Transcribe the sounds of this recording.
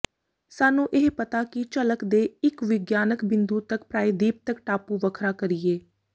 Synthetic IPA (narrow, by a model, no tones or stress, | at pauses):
saːnũːʔeɦpət̪aːkɪt͡ʃələkd̪eːɪkʋɪɡjaːnəkbɪ̃nd̪uːt̪əkpɾaːiːd̪iːp̚t̪əkʈaːpuːʋəkʰɾaːkəɾiːeː